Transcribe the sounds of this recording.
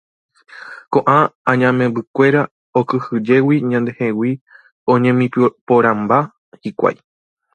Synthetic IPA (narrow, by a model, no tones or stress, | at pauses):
kõ̞ʔããɲãmẽ̞bɨkʷe̞ɾa | okɨhɨd͡ʒe̞wiɲãnd̪e̞hewi | õ̞ɲẽmĩpoɾãmba | hikʷa̰j